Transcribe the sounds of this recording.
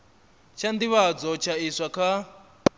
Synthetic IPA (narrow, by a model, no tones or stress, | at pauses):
t͡ʃʰand̪iβad͡zɔt͡ʃʰaiswakʰa